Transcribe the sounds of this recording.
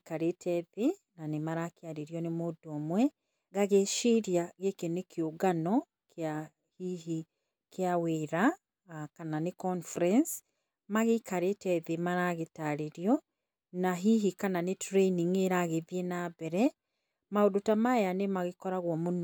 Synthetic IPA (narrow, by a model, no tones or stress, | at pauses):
kaɾetʰɛðenanemaɾakeaɾeɾjɔnemodɔmwɛ | ɣaɣeʃiɾjaɣekenekʰeoɡanɔ | kʰea | hiɦi | keaweɾa | kananekɔnfɾɛns | maɣekaɾetɛðemaɾaɣetaɾeɾjɔ | naɦiɦikananetɾeniŋeɾaɣeðjenabɛɾɛ | maodotamajanemaɣekɔɾaɣwɔmonɔ